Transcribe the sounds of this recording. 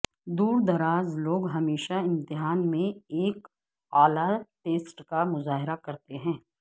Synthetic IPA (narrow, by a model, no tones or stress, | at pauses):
d̪uːɾd̪ɐɾaːzloːɡɦɐmeːʃaɪ̃mt̪ɪɦaːnmẽeːk | aːlaʈeːsʈkamʊzaːɦɪɾakɐɾt̪eɦɛ̃ː